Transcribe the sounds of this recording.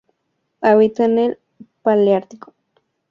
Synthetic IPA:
aβit̪anel | paljaɾt̪iko̥

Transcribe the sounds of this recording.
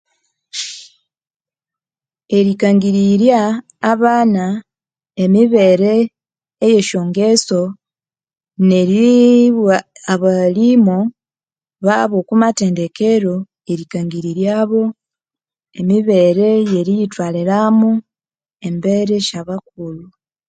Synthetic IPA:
e̞ɾikaŋɡiɾiɾjaː | βaːna | emiβe̞ɾe̞ː | je̞ʃo̞ːŋɡeso̞ | ne̞ɾi | aβalimo | βaβo̞ːkumate̞ːnde̞ke̞ɾo̞ | e̞ɾikaŋɡiɾiɾjaːβo̞ | e̞miβe̞ɾe̞je̞ɾijitwaːliɾamu | e̞mbeɾe̞ʃaβak̚ulu

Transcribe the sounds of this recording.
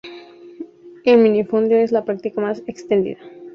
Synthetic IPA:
elmĩnifond̪joe̞zlapɾak̚t̪ikamasekst̪end̪ḭða

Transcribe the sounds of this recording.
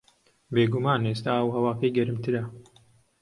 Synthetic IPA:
beːɡumaːneːst̪aːɐwɦɐwaːkɐjɡɐɾɨmt̪ɨɾɐ

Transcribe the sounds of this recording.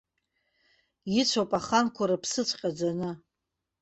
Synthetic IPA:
it͡ɕʷʰopʼaχankʷʰaɾapʰsɨt͡ɕʷʰʼqʲʼad͡zanɨ

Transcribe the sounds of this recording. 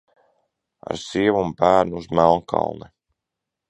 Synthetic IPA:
a̰ɾsiɛvumbæːɾnuuzmælˠnkʰɑ̰lˠnɛ

